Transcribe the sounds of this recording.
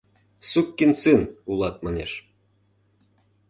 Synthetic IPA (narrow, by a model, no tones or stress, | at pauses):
sukːinsɨnulˠɑt̪̚mɑneʃ